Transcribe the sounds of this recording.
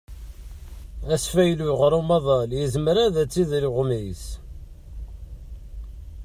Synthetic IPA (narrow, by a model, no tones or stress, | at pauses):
æsfæjluʁɾumɑðˤɑljəzmɾæðæt͡sːiðlʊʁmis